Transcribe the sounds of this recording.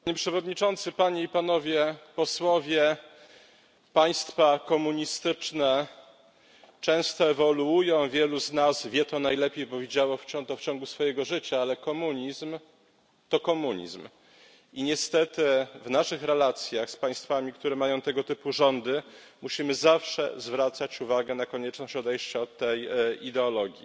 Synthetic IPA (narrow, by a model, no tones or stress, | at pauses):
ɲepʂɛvɔd̪ɲit͡ʂɔnt̪sɘpaɲeipanɔvʲjɛpɔswɔvʲjɛ | paj̃st̪fakɔmuɲist̪ɘt͡ʂnɛ | t͡ʂɛ̃w̃st̪ɔɛvɔluujɔ̃w̃vʲjɛluznazvʲjɛt̪ɔnajlɛpʲejbɔvʲjed͡ʑawɔft͡ɕɔt̪ɔft͡ɕɔ̃ŋɡusfɔjɛɡɔʐɘt͡ɕaalɛkɔmuɲizm | t̪ɔkɔmuɲḭzm | iɲɛst̪ɛt̪ɘvnaʂɘxɾɛlat̪sʲjaxspaj̃st̪famʲikt̪uɾɛmajɔ̃w̃t̪ɛɡɔt̪ɘpuʐɔnd̪ɘmuɕimɘzafʂɛ̰zvɾat̪sat͡ɕuvaɡɛnakɔɲɛt͡ʂnɔɕt͡ɕɔd̪ɛjɕt͡ɕaɔt̪ːɛjid̪ɛɔlɔɡʲji